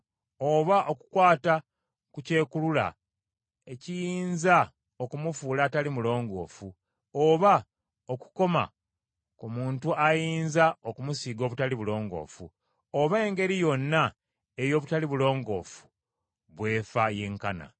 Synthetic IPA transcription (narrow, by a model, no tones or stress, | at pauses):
oβaʔo̞ku̥kwaːta | kuce̞ːkulula̰ | e̞cijiːnza | okumufuːlatalimulo̞ːŋɡo̞̰ːfu | oβa | o̞ku̥ko̞ma̰ | komuːntuajiːnzaokumusiːɡo̞ːβutaliβulo̞ːŋɡo̞̰ːfu | oβeːŋɡe̞ɾijo̞nːa | ejo̞ːβutaliβulo̞ːŋɡo̞̰ːfu̥ | βwe̞ːfaje̞ːŋkana̰